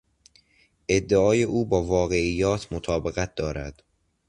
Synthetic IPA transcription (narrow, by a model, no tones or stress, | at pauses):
ʔe̞d̪ːeɒːjeʔuːbɒːvɒːɣe̞ijːɒːt̪ʰmot̪ʰɒːbe̞ɣæt̪̚d̪̥ɒːɾæ̰d̪̥